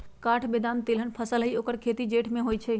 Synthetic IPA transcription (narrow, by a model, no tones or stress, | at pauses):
kaʈʰbed̪ant̪elɦənpʰəsəlɦiokəɾkʰet̪id͡ʒeʈʰmẽɦojt͡ʃʰɛ